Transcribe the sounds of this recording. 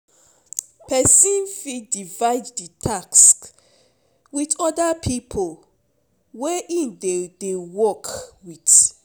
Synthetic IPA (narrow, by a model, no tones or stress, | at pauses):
pʰɛsĩnfidivaɪdditʰaksk | witɔdapʰipʰol | wɛʔĩndedewɔkwit